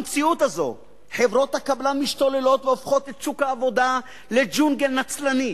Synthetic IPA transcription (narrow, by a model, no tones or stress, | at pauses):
mt͡siut̪azo̞̰ | ħe̞vʁo̞t̪hakablamiʃt̪o̞le̞lo̞t̪veofχo̞t̪et̪t͡ʃukaːvo̞d̪a | le̞d͡ʒunɡelnat͡slani